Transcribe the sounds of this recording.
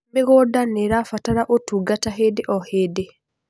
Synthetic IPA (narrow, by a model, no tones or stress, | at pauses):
meɣodaneɾafataɾaʔotuːɡataɦedeʔɔhede